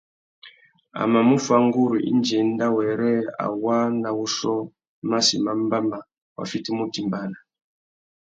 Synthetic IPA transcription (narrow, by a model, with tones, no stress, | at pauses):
a̰˨ma˨mu˦fa˦ŋɡu˦ɾi˨ʔḭ˦nd͡ʒɛ˨nda˦wɛ˨ɾɛ˦a̰˨wa˦na˨wu˦ʃɔ˦ | ma˦sḭ˨ma˨mba˦ma˨ | wa̰˨fi˦ti˦mu˦ti˨mba˨na˨